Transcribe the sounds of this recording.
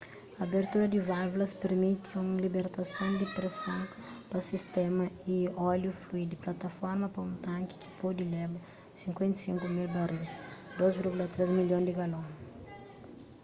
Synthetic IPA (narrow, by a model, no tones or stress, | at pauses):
ɐːbeɾt̪uɾɐd̪ivavulɐspeɾmit̪iũŋlibeɾt̪ɐsõwd̪ipɾesõnpɐsist̪ɛmɐiɔljufluid̪ɪplat̪ɐfɔɾmɐpɐũt̪ãŋki̥ki̥pod̪ilɛbɐ | sĩŋkwẽnt̪i̥sĩŋkumilbarid̪ozviɾɡulɐt̪ɾezmiljõd̪ɪɡalõ